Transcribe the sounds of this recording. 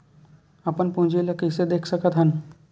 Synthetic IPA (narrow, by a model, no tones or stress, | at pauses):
ɐpənpũːd͡ʒiləkəsed̪eːkʰsəkət̪ɦən